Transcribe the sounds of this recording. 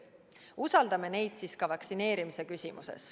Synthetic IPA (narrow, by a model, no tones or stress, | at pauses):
usɑld̪ɑme̞ne̞jd̪siskɑvɑksine̞ːɾimise̞kysʲimṵsḛs